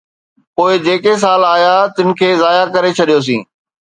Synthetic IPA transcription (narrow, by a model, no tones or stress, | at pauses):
poːɪd͡ʑeːkes̬aːlaːjat̪ɪnɪ̆kʰeːzaːjakɐɾet͡ɕʰɐɗijos̬ĩː